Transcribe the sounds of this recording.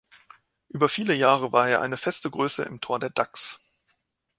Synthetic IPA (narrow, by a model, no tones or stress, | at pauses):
ʔyːbɐfiːləjaːʁ̞əvaːɐeːɐʔa̰ɪnəfɛstəɡʁøːsə̰ʔɪ̰mtʰoːɐdeːɐdaks